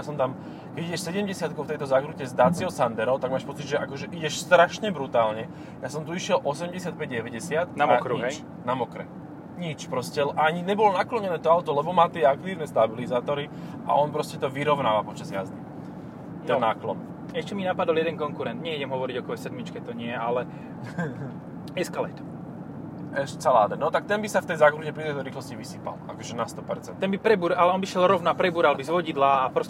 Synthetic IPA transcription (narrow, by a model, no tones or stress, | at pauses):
jasɔmt̪am | kɛɟiɟɛʃsɛɟɛmɟɛsɪat̪̚kɔʊft̪ɛjt̪ɔzakɾucɛzd̪aːt͡siɔsand̪ɛɾɔʊt̪aɡmaːʃpɔt͡sid̪ʒɛʔakɔʒɛʔiɟɛʃst̪ɾaʃɲɛbɾut̪aːlɲɛ | jaːsɔmt̪uiʃɪɛlʔɔsɛmɟɛsɪat̪̚pɛɟɟɛʋɛɟɛsɪat̪naaɔkɾuɦɛt͡ʃ | namɔkɾɛ̰ | ɲit͡ʃpɾɔscɛlʔaɲiɲɛbɔlɔnaklɔɲɛnɛːt̪ɔawt̪ɔlɛbɔmaːt̪ɪɛak̚t̪iːʊnɛst̪abilizaːt̪ɔɾi | a̰ʔɔnpɾɔscɛt̪ɔʋiɾɔʊnaːʋapɔt͡ʃazja̰zd̪i | ɛnaːklɔ̰n | ɛʃcɛminapad̪ɔljɛd̪ɛnkɔŋkuɾɛnd̪ɲɛiɟɛmɦɔʋɔɾiɟɔkɔɦɔjsɛd̪mit͡ʃkɛt̪ɔɲɪɛalɛ | ɛskalɛ̰jt̪ | ɛʃɛsalaːd̪ɛnɔt̪ak̚t̪ɛnbisaft̪ɛjzakɾuɟɛpɾit̪ɛt̪ɔɾiːxlɔsciʋisiːpa̰la̰kɔʒɛnast̪ɔpɛɾt͡sɛnt̪ɛnbipɾɛbuːɾalɛɔnbiʃjɛlɾɔʊnapɾɛbuːɾalbizʋɔɟid̪laːpɾɔsɛ